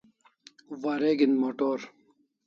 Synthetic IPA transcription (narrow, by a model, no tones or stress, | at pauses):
ʋaːɾeːɡinmoːʈoːɾ